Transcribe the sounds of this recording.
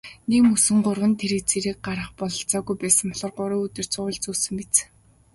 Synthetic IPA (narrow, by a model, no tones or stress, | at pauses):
nemɵsɘ̆ŋɢʊrwə̆nt̪ʰeɾɘ̆k̚t͡seɾɘ̆k̚ɢaɾə̆χpɔɮɞ̆ɬt͡sɔːɣujpæːsə̆ŋpɔɮɞ̆rɢʊɾʊ̆ːɵt̪ɵ̆r̥t͡sʊːɮt͡suːsɘ̆mpet͡s